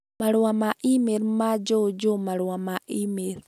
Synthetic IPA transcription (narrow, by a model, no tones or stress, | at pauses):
maɾwamaʔimeɾmad͡ʒod͡ʒomaɾwamaʔimeɾ